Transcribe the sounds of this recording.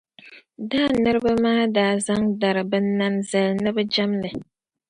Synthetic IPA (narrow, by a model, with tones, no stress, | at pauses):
daː˦˨nɨ˦ɾɨ˦ba˦maː˦daː˦˨za˦ŋda˨ɾɨ˨bɨ˦nː˦a˦nzɛ˨lnɨ˦bɨ˦d͡ʒa˦mlɨ˨